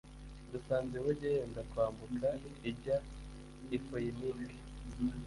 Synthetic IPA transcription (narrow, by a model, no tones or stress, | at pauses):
dusaːnzeweɾɟajeːndakwaːmbukʰaiɟa | ifojinike̥